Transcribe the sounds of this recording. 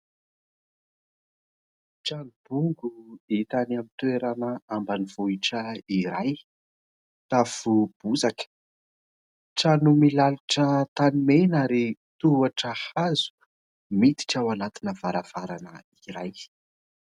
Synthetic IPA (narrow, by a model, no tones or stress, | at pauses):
ʈ͡ʂanub̥uŋɡuit̪anamint̪weɾanəambaniv̥uiʈ͡ʂəiɾaj | t̪afub̥uzakə̥ | ʈ͡ʂanumilaluʈ͡ʂət̪animenaɾit̪uaʈ͡ʂəhazu̥ | mit̪i̥ʈ͡ʂawanat̪inəv̥aɾav̥aɾanəiɾaj